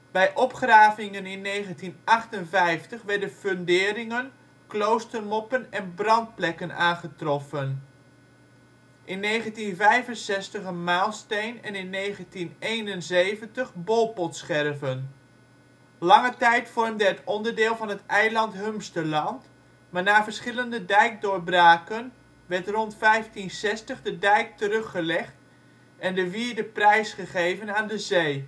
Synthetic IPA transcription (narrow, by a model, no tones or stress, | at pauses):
b̥ɛjʔɔpχraːvɪŋənɪnːejχəntinʔɑχtənvɛjftəχʋɛɹdənføndɪːɾɪŋən | klowstərmɔpənɛnbrɑnt̚plɛkənaːnχətrɔfən | ʔɪnːejχəntinvɛjvənsɛstəχənmaːlˠstejnɛ̰nɪnːejχəntinejnənzejvəntəχbolˠpɔtsχɛrvən | lɑŋətɛjtfɔrmdəɦətɔndəɹdɪːlˠvɑnɦətɛjlɑntɦømstəlɑnt | maːɹnaːvəɹsχɪləndədɛjk̚dʊːɹbraːkən | ʋɛɹtrɔntfɛjftinsɛstəχdədɛjk̚tərɵχːəlɛχt | ʔɛndəviːɹdəprɛjsχəχejvənaːndəzej